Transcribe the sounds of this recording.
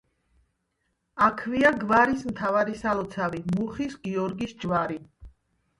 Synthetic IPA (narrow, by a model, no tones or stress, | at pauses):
akʰviaɡvaɾismt̪ʰavaɾisalɔt̪sʰavimuχisɡiɔɾɡisd͡ʒvaɾi